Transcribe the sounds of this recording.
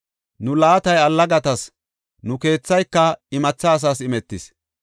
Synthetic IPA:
nʊlaːt̪ɐjɐlːɐɡɐt̪ɐs | nʊke̞ːt͡sːɐjkːɐɪmɐt͡sːɐːs̬aːsɪmɛt̪ːɪs

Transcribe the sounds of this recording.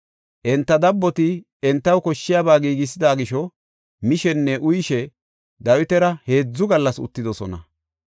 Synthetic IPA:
ʔɛnt̪ːɐd̪ɐbːɔt̪ɪ | ɛnt̪ːɐwkɔʃːɪjaːbaːɡiːɡɪs̬ɪd̪aːɡɪʃɔ | mɪʃɛnːɛʔʊjʃɛ | d̪ɐwɪt̪ɛɾɐhe̞ːd͡zːʊɡɐlːɐsʊ̰t̪ːɪd̪ɔsɔnɐ

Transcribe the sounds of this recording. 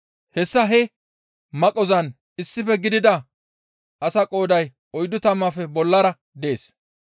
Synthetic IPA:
hɛsːɐɦɛ | mɐkʼːɔzɐn | ɪsːɪfɛɡɪd̪ɪd̪ɐ | ɐsɐkʼo̞ːd̪ɐj | ɔjd̪ʊt̪ɐmːɐfɛbɔlːɐɾɐ | d̪ɛeːs

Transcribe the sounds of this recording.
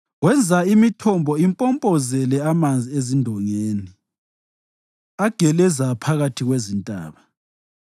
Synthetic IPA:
ɣwɛnd͡zʱaimitʰɔmbʱɔimpʼɔmpʼɔzɛlɛamand͡zʱiezindʱɔŋeːni | aɡ̥ʱɛlɛzapʰaɣatʰiɣwezintʼa̰ːβa

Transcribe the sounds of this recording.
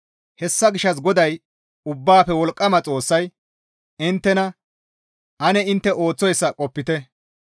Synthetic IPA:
hɛsːɐɡɪʃːɐs̬ɡɔd̪ɐj | ʊbːaːpɛwɔlkʼːɐmɐt͡sʼo̞ːsːɐj | ɪnt̪ːɛnɐ | ʔɐnɛɪnt̪ːɛʔo̞ːt͡sːɔjsːɐkʼɔpːɪt̪ɛ

